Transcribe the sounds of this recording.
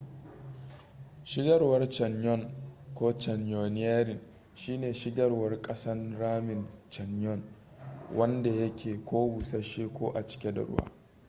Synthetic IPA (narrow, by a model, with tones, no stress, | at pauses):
ʃɪ˦ɡɐ˦rwɐ˦rt͡ʃɐ˨ɲjɔ˦˨ŋkʷoː˦t͡ʃɐ˨ɲjo˨nɪ˦aː˦ɾɪ˨n | ʃiː˦neː˨ʃɪ˦ɡɐ˦rwɐ˦rkʼɐ˦sɐ˦nɾaː˦mɪ˨nt͡ʃɐ˨njɔ˦˨ŋ | wʔɐ˦nda˨jɐ˦kʲʰeː˨kʷoː˦wʊ˨sa˦ʃeː˦kʷoː˦ʔa˨t͡ʃɪ̥˦kʲe˦da̰˨ɾʊ̰˦wa̰ː˦